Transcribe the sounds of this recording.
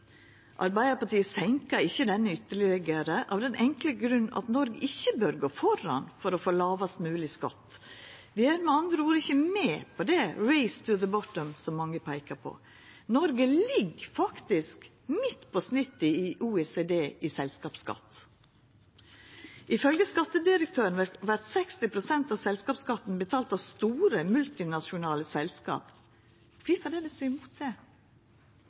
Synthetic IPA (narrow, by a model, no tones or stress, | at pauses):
ʔɑɾbæɪəpɑʈiːəsɛŋkəɾɪçːəd̪ɛnːəʏt̪ːəɭɪɡəɾəʔɑʋd̪ɛnʔɛŋkləɡɾʉnːɑ̰t̪nɔɾɡɪçːəbœɾɡoːfɔɾɑ̰nfɔɾɔfoːlɑːʋɑst̪mʉːlɪskɑ̰t̪ːʋɪenmɛɑnd̪ɾəuːɾɪçəmɛːpʰɔd̪ɛɹɛɪst̪ʰʉðəbɔt̪əmsɔmːɑŋːəpʰæɪkəpʰɔ̰ | nɔɾɡəlɪɡfɑkt̪ɪsk | mɪt̪ːpʰɔsnɪt̪ːəɪʔuːeːseːd̪eːʔɪsɛlskɑːpskɑ̰t̪ | ʔɪfœlɡəskɑt̪ːəd̪ɪɾək̚t̪ʰøːɾənʋʋæɾt̪sɛkst̪ɪpʰɾʊsɛnt̪ɑʋsɛlskɑːpskɑt̪ːn̩bət̪ʰɑːlt̪ɑʋst̪uːɾəmʉlt̪ɪnɑʃʊnɑːləsɛlskɑ̰ːp | ɪfɑd̪ɛd̪ɛsːmuːt̪̚d̪ɛ